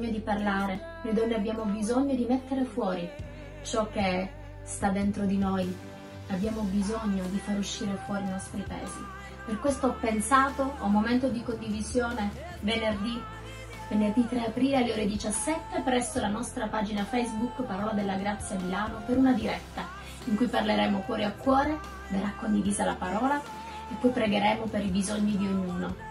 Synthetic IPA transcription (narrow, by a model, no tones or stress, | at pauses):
ɲːod̪iparlaːɾe | nojd̪ɔnːeabːjaːmobizoɲːod̪imet̪ːeɾefwɔːɾi | t͡ʃɔk̟ːe | st̪ad̪ːent̪ɾod̪inoj | abːjaːmobizoɲːod̪ifaɾuʃːiːɾefwɔːɾinɔst̪ɾipaḛːzi | perkwest̪oɔpːensaːt̪oamoment̪od̪ikond̪ivizjoːne | venerd̪i | venerd̪it̪ːɾeapɾiːlealːeoːɾed̪it͡ʃasːɛt̪ːepɾɛsːolanɔst̪ɾapaːd͡ʒinafɛjzbukːpaɾɔːlad̪elːaɡɾat̪sːjamilaːnopeɾunad̪iɾɛt̪ːa | iŋkujparleɾɛːmofwɔːɾiakːwɔːɾe | d̪aɾakːond̪iviːzala̰paɾɔːla | epːɔjpɾeɡeɾɛːmopeɾibizoɲːid̪iuɲuːno